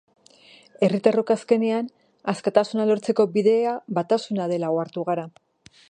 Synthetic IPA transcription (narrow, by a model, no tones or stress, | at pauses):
e̞rit̪aro̞kaske̞nean | askat̪asunalo̞ɾt͡se̞ko̞biðe̞aβat̪asunaðe̞laoaɾt̪uɣaɾa